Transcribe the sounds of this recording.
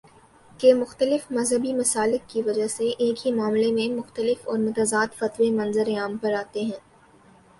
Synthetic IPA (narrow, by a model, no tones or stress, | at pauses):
kemʊxt̪əlɪfmɐzɦəbimɐsaːlɪkkːiʋɐd͡ʒaseʔeːkɦimaːmlemẽmʊxt̪əlɪfɔːɾmʊt̪azaːt̪fɐt̪ʋemɐ̃nzəɾeaːmpɐɾaːt̪eɦɛ̃ː